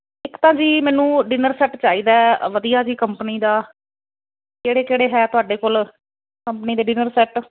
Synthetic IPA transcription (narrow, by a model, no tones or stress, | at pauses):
ɪkt̪ãːd͡ʒiːmɛːnũːɖɪnəɾsɛːʈt͡ʃaːiːd̪aːʋəd̪ijaːd͡ʒiːkəmpniːd̪aː | keːɽeːkeːɽeːɦɛːt̪ʊaːɖeːkoːl | kəmpəniːd̪eːɖɪnəɾsɛːʈ